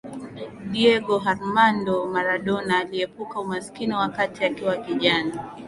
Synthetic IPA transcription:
ɗiɛɠɔɦaɾmandɔmaɾaɗɔnaːliɛpukaumaskiniwakatiakiwakiʄana

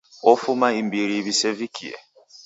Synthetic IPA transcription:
ofumaim̩biɾiβisevikʰḭḛ

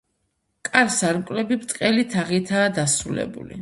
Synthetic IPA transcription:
kʼaɾsaɾmkʼlɛbibt̪sʼqʼɛlit̪ʰaʁit̪ʰaːd̪asɾulɛ̰bṵlḭ

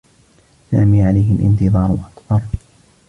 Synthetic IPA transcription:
saːmiːʕalajɦɪlʔɪ̰nt̪ɨðˤɑːɾˤʊʔakbɑɾˤ

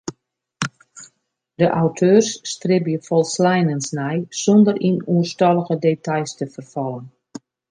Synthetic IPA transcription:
dəʔawtʰøːrsːtrɪbjəfɔlˠslɛjnənsnɛjsɔndərʔinuərstɔlˠəɣədeːtʰajstəfərfɔlˠən

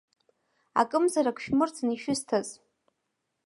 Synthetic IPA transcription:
a̰kʼɨmzaɾakʷʰʃᶣmɨrt͡sʰniʃɪztʰaz

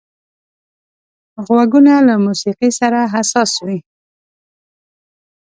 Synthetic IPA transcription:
ɣwaɡunalamusiqisaɾaɦasɑswi

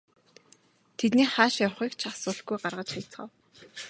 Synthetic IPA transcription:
t̪ʰet̪niːχaːʃjawχiːkt͡ɕʰasʊːɮɡujɢarʁə̆t͡ɕχijt͡sχə̰w

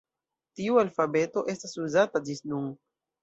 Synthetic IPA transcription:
tiualfabe̞to̞ʔe̞stasuzatad͡ʒisnun

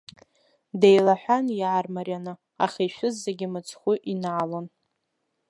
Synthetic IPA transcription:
dejlaħʷᶣanjʕarmarʲjanɨ | aχʲeʃʷᶣʊzːeɡʲɪmɨt͡sʰχʷʊʔinaʕalon

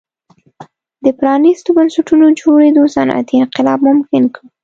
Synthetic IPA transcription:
d̪əpɾɑnist̪obansaʈunod͡ʒoɾed̪osanʔa̰t̪iɪnqɪlɑbmʊmkɪnki

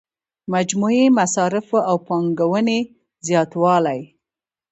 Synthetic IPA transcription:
mad͡ʒmuemasɑɾɪfawpɑŋɡawəne | zjɑt̪wɑlaj

